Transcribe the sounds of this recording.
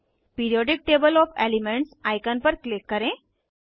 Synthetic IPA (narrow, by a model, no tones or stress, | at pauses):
piɾijɔɖik̚ʈebəlɔfḛlimeɳʈsajkanpəɾklikːəɾẽ